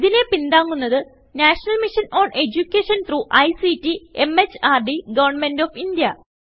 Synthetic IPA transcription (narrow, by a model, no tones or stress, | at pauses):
ðine̞pind̪aːŋːunːɐðɨ | naːʂɐnɐlmiʂɐno̞ːɳe̞d͡ʑukʲːeːʂɐnt̪ruʔɐjsitie̞met͡ɕːaːrɖiɡɐʋɐrɳme̞ndofindijɐ